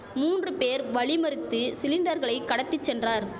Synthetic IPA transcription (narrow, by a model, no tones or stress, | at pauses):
muːndrɯpeːɾʋɐɭɪmɐɾɯt̪ːɯsɪlɪnɖɐɾɣɐɭɐɪkːɐɽɐt̪ːɪt͡ʃːɛndraːɾ